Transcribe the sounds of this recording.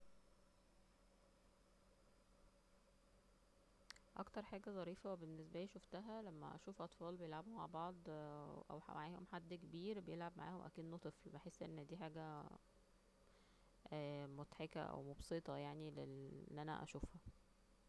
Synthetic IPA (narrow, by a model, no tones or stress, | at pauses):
ʔɑ̰kt̪ɑɾˤħaːɡæzˤɑɾiːfæwebenːes̬bæliːʃoft̪æɦælæmːæ̰ʔæ̰ʃuːfʔɑt̪ˤfɑːlbejelʕabuhma̰lbɑʕd̪ˤʔæ̰wħmaʕaːhomħad̪ːkebiːɾbejelʕab̚maʕa̰ːhomʔæ̰kiːd̪not̪ˤeflbeħesːʔḛnːhæd̪iːħaːɡæ | ʔæːmot̪ħekæ̰ʔæ̰wmobset̪ˤɑjaʕnileenːʔænæ̰ʔæ̰ʃuːfhæ